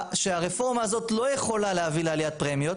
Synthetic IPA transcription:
ʃeaʁefo̞ʁmaːzo̞t̪lo̞jeχo̞lalehavilealijat̪̚pʁemjo̞t̪

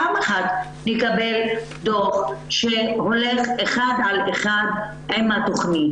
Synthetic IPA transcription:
ameχat̪ | nikabel | d̪oχʃeho̞leχeχad̪ʕaleχad̪̚ | ʔemat̪oχni

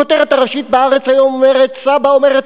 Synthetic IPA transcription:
ot̪eʁet̪aʁaʃit̪̚beaʁet͡sajo̞mome̞ʁet̪sabaome̞ʁet

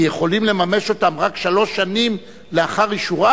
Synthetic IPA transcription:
je̞χo̞limle̞mame̞ʃo̞tamʁakʃalo̞ʃanim | leaχaʁjiʃuʁa

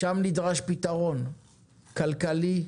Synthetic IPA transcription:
ʃamnid̪ʁaʃpit̪aʁo̞n | kalkali

